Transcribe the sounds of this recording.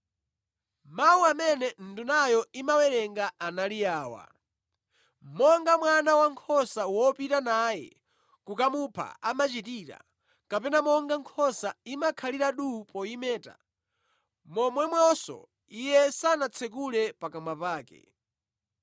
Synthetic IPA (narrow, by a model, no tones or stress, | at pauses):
mawuamɛnɛn̩dunajɔimawɛɾɛŋɡaanalijaːwa̰ | mɔŋɡamwanawaŋkʰɔsawɔpitanajɛ̰ | kukamupʰa̰amat͡ʃitiɾa̰ | kapɛnamɔŋɡaŋkʰɔsaimakʰaliɾaɗupɔimɛːta̰ | mɔmwɛmwɔsɔ̰ | ijɛsanat͡sʰɛk̬ulɛpakamapaːkɛ̰